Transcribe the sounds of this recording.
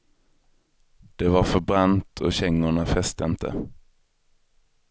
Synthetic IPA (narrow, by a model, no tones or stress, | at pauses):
d̪̥ɛvaɾfœɾbɾant̪ʰɔɕɛŋːʊɳafɛst̪əɪnt̪ʰə̰